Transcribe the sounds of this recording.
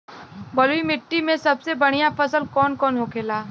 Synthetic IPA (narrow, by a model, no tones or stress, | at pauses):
bəlimɪʈːimẽsɐbsebɐɽ̃ijãfɐsəlkɔːnkɔːnɦokʰeːlaː